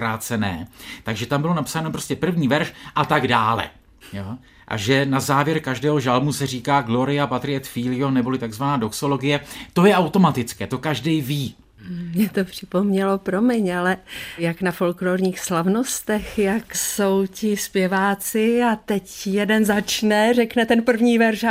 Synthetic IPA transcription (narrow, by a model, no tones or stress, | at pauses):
ɾaːt͡sɛnɛːt̪aɡʒɛt̪ambɪlo̞napsanopɾo̞scɛpr̩vɲiːvɛɾʃʔat̪aɡdaːlɛ̰ | jo | ʔa̰ʒɛnazaːvjɛɾkaʒdɛːɦoʒalmusɛr̝iːkaːɡlo̞ɾɪapat̪ɾɪɛt̪fiːlɪjonɛbo̞lɪt̪aɡzvanaːdo̞kso̞lo̞ɡɪjɛt̪ojɛʔawt̪o̞mat̪ɪt͡skɛːt̪o̞kaʒdɛjviː | mɲɛt̪o̞pr̝̥ɪpo̞mɲɛlo̞pɾo̞mɪɲalɛjaknafo̞lkloːɾɲiːxslavno̞st̪ɛxjakso̞wcɪspjɛvaːt͡sɪat̪ɛcjɛdɛnzat͡ʃnɛrɛknɛt̪ɛnpr̩vɲiːvɛɾʃ